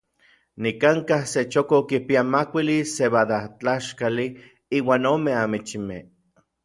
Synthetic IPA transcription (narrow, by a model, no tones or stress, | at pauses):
nikaŋkahset͡ʃokokipiamakʷiliseβad̪at͡ɬaʃkali | iːwaːnoːmeamit͡ʃime